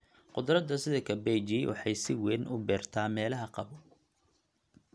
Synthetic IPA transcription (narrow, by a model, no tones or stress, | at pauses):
qʊd̪ɾɐd̪ɐsɪðɐkʰɐbɛjt͡ʃiːwʔɑ̰ħɑjsɪwɛːnʔʊ̰bɛːrt̪ʰaːmɛːlɐɦɐqɑβɔ